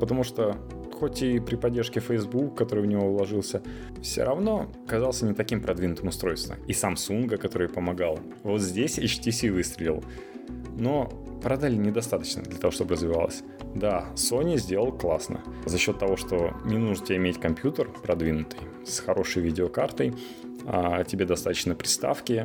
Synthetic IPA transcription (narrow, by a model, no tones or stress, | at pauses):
pət̪ɐmuʂt̪o | xotʲɪpɾʲɪpɐdʲːerʂkʲɪfəjzbukːɐt̪o̞ɾɨjvnʲɪvo̞vlˠɐʐɨlˠsʲə | fsʲo̰ɾɐvno̞ɐkɐzɑlˠsʲənʲɪt̪ɐkʲimpɾʔɐd̪vʲinʊt̪ɨmʊst̪ɾo̞jst̪və̰misamsunɡəkɐt̪o̞ɾɨjpəmɐɡalˠ | vo̞t̪zʲdʲesʲɐt͡ɕtʲisʲivɨst̪ɾʲɪlʲɪ̰lˠ | no̞ | pɾɐd̪alʲɪnʲɪd̪ɐst̪at̪ə̥t͡ɕnə̰d̪lʲɐt̪ɐvo̞ʂt̪o̞bəɾəzvʲɪva̰lˠə̰sʲ | d̪asonʲɪzʲdʲeləlˠklˠasnə̰zɐɕːo̞t̪ːɐvo̞ʂt̪o̞nʲɪnuʐntʲɪbʲɪmʲetʲkɐmpʲjut̪ərpɾɐd̪vʲinʊt̪ɨj | sxɐɾʔo̞ʂəjvʲidʲɪokart̪əj | atʲɪbʲe̞d̪ɐst̪at̪ət͡ɕnəpɾʲɪst̪a̰fkʲɪ